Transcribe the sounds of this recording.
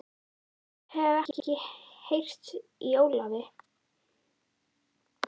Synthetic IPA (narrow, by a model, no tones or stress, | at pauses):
hɛɣɛcɪcɪhejr̥t̪ijoːwlavɪ